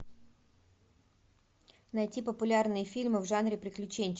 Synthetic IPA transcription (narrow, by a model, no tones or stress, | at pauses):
nɐjtʲipəpʊlʲarnɨjəfʲilʲmɨvʐanɾʲɪpɾʲɪklʲʉt͡ɕenʲt͡ɕ